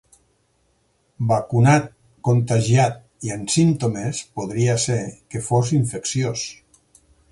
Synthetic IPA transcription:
bakunat̪̚ | kont̪aʒjat̪̚ | iensimt̪omespoðɾiasekefoziɱfeksjos

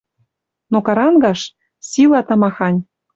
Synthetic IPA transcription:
nokɑɾɑnɡɑʃ | silɑt̪ɑmɑxɑnʲ

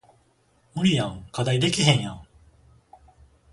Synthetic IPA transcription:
mɯ̟ɾʲijãŋkad̪aid̪e̞kʲiɦẽɰ̃jã̰

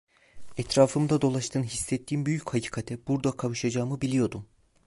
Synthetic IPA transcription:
ɛt̪ɾaːfɯmd̪ad̪o̞lˠaʃt̪ʰɯːnɦisːɛt̪ʰːiːnbyjychacʰi̥ːkʰat̪ʰɛbuɾd̪akʰavɯʃad͡ʒaːmɯbilʲijo̞d̪um

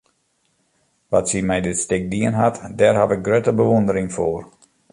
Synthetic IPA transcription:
ʋatsimɛjdɪtstɪk̚diənɦatdɛrhatɪk̚ɡrøtəbəʋondəɾɪŋfoːr

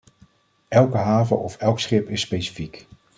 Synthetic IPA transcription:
ʔɛlˠkəɦaːvə̰ɔfɛlˠksχɪpɪsːpejsi̥fik

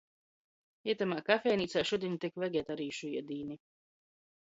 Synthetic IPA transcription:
iɛt̪amaːkafɛjniːt̪saːʃuɔd̪ʲiɛnʲut̪ikvɛɡʲɛːt̪aɾiːʃuiɛd̪iːni

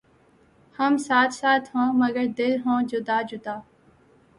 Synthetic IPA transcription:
həmsaːt̪ʰsaːt̪ʰɦõːməɡəɾd̪ɪlɦõːd͡ʒʊd̪aːd͡ʒʊd̪aː

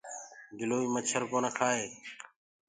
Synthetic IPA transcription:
d͡ʒʊloːiːmət͡ʃʰəɾkoːnaːkʰaːɦeː

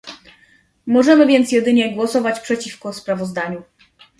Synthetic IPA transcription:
mɔʐɛmɘvʲjɛnt̪sʲjɛd̪ɘɲɛɡwɔsɔvat͡ɕpʂɛt͡ɕifkɔspɾavɔzd̪aɲu

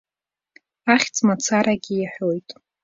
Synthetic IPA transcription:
aχʲt͡sʼmat͡sʰaɾaɡʲiiħʷᶣojtʼ

